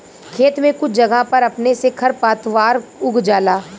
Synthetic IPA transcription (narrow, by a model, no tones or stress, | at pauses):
kʰeːt̪mẽkʊt͡ʃʰd͡ʒɐɡapɐɾɐpnesekʰɐɾpaːt̪ʋaːɾʊɡʱd͡ʒaːlaː